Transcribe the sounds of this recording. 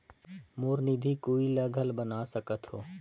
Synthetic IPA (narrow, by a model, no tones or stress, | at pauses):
moːɾnid̪ʱikoːiləɡʱəlbənaːsəkət̪ɦo̰ː